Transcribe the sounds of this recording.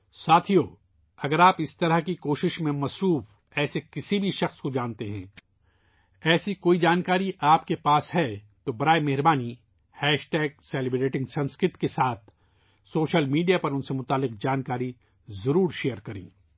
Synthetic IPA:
saːt̪ʰijoː | ɐɡəɾaːpɪst̪ɐɾəɦkikoːʃɪʃmẽmɐsɾuːf | ɛːsekɪsibʱiʃɐxskod͡ʒaːnt̪eɦɛ̰̃ː | ɛːsikoːid͡ʒaːnkaːɾiʔaːpkepaːsɦɛt̪obɐɾaːemɛɦɪɾbaːni | hɛːʃʈɛːɡ̚sɛːlɪbɾeːʈɪ̃ŋɡsɐ̃nskɾɪʈkesaːt̪̚ʰ | soːʃəlmiːɖijapɐɾʊnsemʊt̪aːlːɪq̚d͡ʒaːnkaːɾi | zɐɾuːɾʃeːjəɾkɐɾḛ̃ː

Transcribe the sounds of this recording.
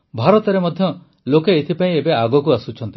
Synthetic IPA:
bʱaɾɔt̪ɔɾemɔd̪ʱjɔ | lokeet̪ʰipaĩebeaɡɔk̬uasut͡ʃʰɔnt̪i

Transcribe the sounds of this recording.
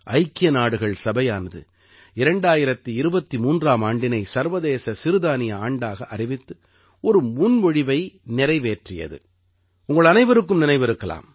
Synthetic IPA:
ʔɐɪkːɪjɐnaːɽɯɣɐɭsɐbɐjaːnɐðɯ̰ | ɪɾɐɳɖaːjɪɾɐt̪ːɯɪɾɯbɐt̪ːimuːndraːmaːɳɖɪnɐɪsɐɾʋɐðeːsɐsɪɾɯðaːnɪjɐaːɳɖaːɣɐʔɐɾɪʋɪt̪ːɯ | ɔɾɯmʊnʋɔɻɪʋɐɪnɪɾɐɪʋeːʈrɪjɐ̰ðɯ̰ | ʊŋɡɐɭɐnɐɪʋɐɾɯk̬ːɯmnɪnɐɪʋɪɾɯkːɐla̰ːm

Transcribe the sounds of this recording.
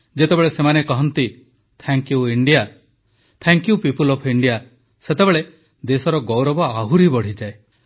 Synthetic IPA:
d͡ʒet̪ebeɭesemanekɔɦɔnt̪i | t̪ʰɛŋkjuiɳɖija | t̪ʰɛŋkjupipulɔpʰiɳɖija | set̪ebeɭe | d̪esɔɾɔɡɔwɾɔbɔaɦuɾibɔɽ̤id͡ʒae

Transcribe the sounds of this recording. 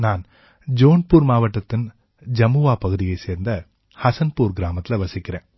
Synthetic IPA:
naːn | d͡ʒoːnpuːɾmaːʋɐʈːɐt̪ːɪn | d͡ʒɐmuʋaːpɐɣɯðɪjɐɪseːɾnd̪ɐ | hɐsɐnpuːɾɡɪɾaːmɐt̪ːɪlɐʋɐsɪkʲːɪɾẽː

